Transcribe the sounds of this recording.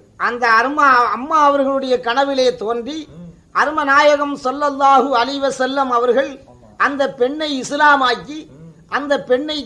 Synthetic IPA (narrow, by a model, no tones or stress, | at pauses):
ʔɐnd̪ɐːɾmaɐmːaːɐʋɐɾɣɐɭɯɽɐjɐkɐɳɐʋɪleːt̪oːndri | ɐɾɯmɐnaːjɐɣɐmsɐlːɐlˠːaːɦɯɐlɐɪʋɐsɐlːɐmɐʋɐɾɣɐɭ | ʔɐnd̪ɐpɛɳːɐɪɪslaːmaːkːiʔɐnd̪ɐpːɛɳːɐɪ